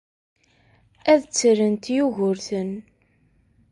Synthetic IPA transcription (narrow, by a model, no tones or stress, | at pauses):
æðt͡sːɾənt̪juʝʊɾθən